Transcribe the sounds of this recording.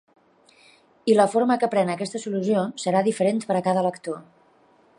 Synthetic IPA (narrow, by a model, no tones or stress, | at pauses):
iləfoɾməkəpɾɛnəkɛst̪əsuluziosəɾaðifəɾent̪pəɾəkaðələkt̪o